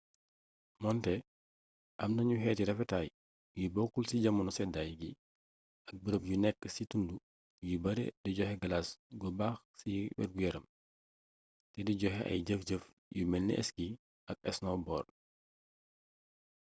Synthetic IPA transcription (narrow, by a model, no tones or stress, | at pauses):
mɔntɛ | ʔɐmnɐɲuɦɛːtiɾɛfɛtaːj | wibɔkːulsiɟɐmɐnusɛdajɡi | ɐk̚bəɾəpjunɛkːəsitundu | jibɐɾɛ̰diɟɔxɛɡɐlasɡɔbaːx | siwɛ̰t̚ɡuɛɾɐm | tɛdiɟɔxɛʔɐ̰jɟəfɟəf | jumɛlːḭʔɛ̰sɡi | ʔɐk̚ɛsnɔbɔːr